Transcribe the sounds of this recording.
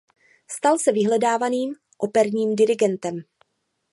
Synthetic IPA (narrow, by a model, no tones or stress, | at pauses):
st̪alsɛvɪɦlɛdaːvaniːm | ʔo̞pɛɾɲiːmdɪɾɪɡɛnt̪ɛm